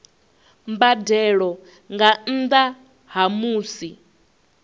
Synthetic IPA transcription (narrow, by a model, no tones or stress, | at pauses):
mbadɛɺɔ | ŋɡan̩d̪a | ɦamuːsi